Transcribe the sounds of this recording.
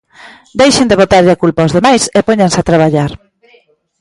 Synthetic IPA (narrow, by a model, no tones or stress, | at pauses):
d̪ejʃɪnd̪eβot̪aɾʎakulpaozðemajsepoɲansat̪ɾaβ̞aʎaɾ